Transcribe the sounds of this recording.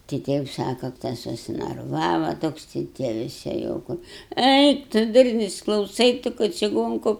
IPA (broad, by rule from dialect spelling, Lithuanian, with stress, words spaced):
tʲɪ ˈtʲiɛ jɛʊ ˈsɑːkɐ tɐs sʊsʲɪnɐrˈʋɑːʋɐ ˈtoːks tɐɪ ˈtʲiɛ ʋʲɪˈsʲɪ jɛʊ ˈkʊr ˈɛɪk tʊ ˈdʊrʲnʲʊs klˠɐʊˈsɐɪ ˈtʊ kɐ t͡ʃʲɪˈɡoːŋkʊ